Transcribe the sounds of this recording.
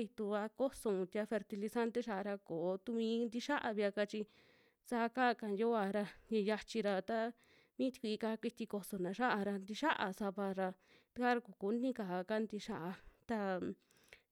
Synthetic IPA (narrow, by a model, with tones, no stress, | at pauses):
i˧t̪u˧a˧ko˦sõ˧t̪i˧a˧fe˧ɾt̪i˧li˧sa˦nt̪e˦ʃa˧ʔɾa˧koː˨˦t̪u˧mĩ˧˦nd̪i˧ʃa˦ʔa˧βi˧a˧ka˧t͡ʃi˧ | sa˧˦˧ka˦˧ka˧njo˦a˧ɾa˧ɲẽ˧ja˧t͡ʃi˧ɾa˧t̪a˦ | mĩ˦t̪i̥˧kʷi˧i˧ka˧kʷi˧t̪i˧ko˧so˨nã˨˧ʃa˦ʔa˧ɾa˧nd̪i˧ʃa˦ʔa̰˧sa˧βa˧ɾa˧ | t̪u˧ka˦ɾa˧ku˨ku˧˦nĩ˦ka˨ka˦nd̪i˧ʃa˦ʔa˧t̪a˧